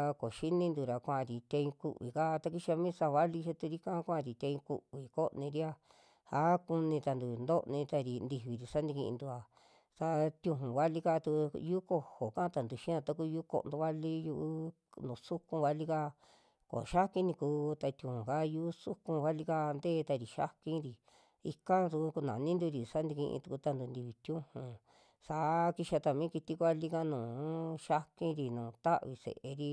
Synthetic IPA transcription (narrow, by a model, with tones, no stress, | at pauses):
ko˨ʃi˦nĩ˦nd̪u˧ɾa˨kʷã˧ʔɾi˨t̪ʲẽ˧ĩ˧kṵ˧ʔβḭ˨ka˦˧t̪a˧ki˧˦ʃi˧a˧mĩ˦sa˧βa˦li˧ʃe˦t̪u˧ɾi˦kã˦kʷã˦ʔɾi˨t̪ʲẽ˧ĩ˧kṵ˧βi˨ko˦˧nĩ˧ɾi˦a˧ | ha˦ku˧nĩ˧t̪a˧nd̪u˨nd̪o˦˧nĩ˧t̪a˧ɾi˧nd̪i˧˨βi˨ɾi˧sa˦nd̪ĩ˧ḭ̃˧nd̪u˧a˨ | sa˧t̪ʲjũ˧ɦũ˨βa˦li˧ka˦˧t̪u˧ju˦ko˧ho˨kã˦t̪a˨nd̪u˨ʃĩ˦ã˧t̪a˧ku˦˧ju˦ko̰˧nd̪u˧βa˦li˦ju˧ʔ | nũ˨su˦kũ˧βa˧li˦ka˧ | ko̰˨ʃa˦kĩ˧nĩ˧kuː˧˦t̪a˧t̪jũ˧˨hũ˨ka˦˧ju˦su˦kũ˧βa˦li˧ka˧nd̪eː˦˧t̪a˧ɾi˨ʃa̰˦kĩ˧ɾi˨ | i˧ka˦t̪u˧u˧ku˧nã˨nĩ˦nd̪u˧ɾi˨sa˦nd̪i˧kĩ˧ʔḭ̃˧t̪u˧ku˧t̪a˧nd̪u˧nd̪i˧βi˧t̪jũ˦hũ˨ | sa˧ki˧ʃa˧t̪a˧mĩː˦ki˧t̪i˧kʷa˦li˧ka˦nũː˨ʃa˦kĩ˦ɾi˧nũː˨t̪a˦ʔβi˧sḛ˨ʔe˧ɾi˧